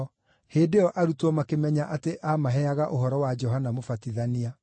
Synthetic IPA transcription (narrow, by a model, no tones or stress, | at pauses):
heːdeɔʔaɾutwɔmakemɛɲaʔateʔamaɦɛaɣaʔoɦɔɾɔwad͡ʒɔɦanamofatiðania